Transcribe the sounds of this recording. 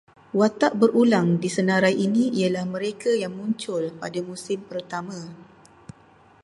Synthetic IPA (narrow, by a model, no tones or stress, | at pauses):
wat̪aʔbərʔulaŋdisənaɾajʔinĩialahmə̃ɾekajaŋmũɲt͡ʃʊlpadamusɪmpərt̪amã